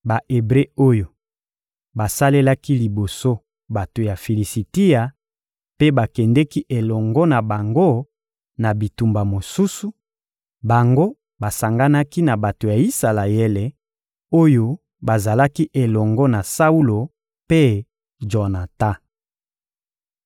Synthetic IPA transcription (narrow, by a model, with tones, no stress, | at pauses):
ba˨ʔe˨bʁe˦o˦jo˨ | ba˨sa˦le˦la˦ki˦li˨bo˨so˦ | ba˨to˨ja˨fi˨li˨si˨ti˦a˨ | pe˦ba˨kɛ˨ndɛ˦ki˦ʔe˨lɔ˨ŋɡɔ˦na˨ba˨ŋɡo˦ | na˨bi˨tu˨mba˨mo˨su˦su˨ | ba˨ŋɡo˦ | ba˨sa˨ŋɡa˦na˦ki˦na˨ba˨to˨ja˨i˦sa˨la˨jɛ˦lɛ˨ | o˦jo˦ | ba˨za˨la˦ki˦ʔe˨lɔ˨ŋɡɔ˦na˨sa˦u˦lo˨ | pe˦ | d͡ʒɔ˨na˨ta˦